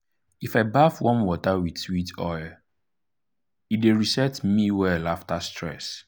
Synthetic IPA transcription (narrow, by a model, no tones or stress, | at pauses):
ifaɪbafwɔ̃nwɔtawidswitɔjl | ideɹisɛtmiwɛlaftastʰɹɛ̰s